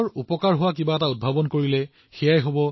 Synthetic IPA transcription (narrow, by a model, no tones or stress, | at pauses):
ɹupɔkaɹɦʊwakibaɛtaud̚bʱabɔnkoɹilɛ | xɛjajɦobɔ